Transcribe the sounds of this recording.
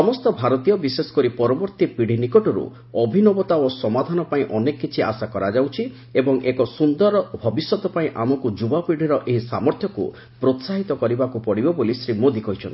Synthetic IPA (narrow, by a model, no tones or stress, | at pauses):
sɔmɔst̪ɔbʱaɾɔt̪ijɔbisesɔ̥kɔɾipɔɾɔbɔɾt̪ipiɽ̤ʱinikɔʈɔɾṵ | ɔbʱinɔbɔt̪aosɔmad̪ʱanɔpaĩʔɔnekːit͡ʃʰia̰sakɔɾad͡ʒawt͡ʃʰi | ebɔŋʔekɔsund̪ɔɾɔbʱɔbisjɔt̪ɔpaĩʔamɔkud͡ʒubapiɽ̤ʱiɾɔʔeɦisa̰mɔɾt̪ʰjɔkṵ | pɾot̪saɦit̪ɔkɔɾibakupɔɽibɔbolisɾimod̪ikɔɦit͡ʃʰɔnt̪i̥